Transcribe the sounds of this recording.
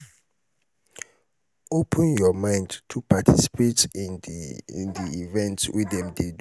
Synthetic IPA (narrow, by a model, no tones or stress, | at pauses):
opʰə̃njɔmãɪ̃ndtʰupʰatʰisi̥pʰetĩn | diivɛ̃ntwʔiɛ̃mded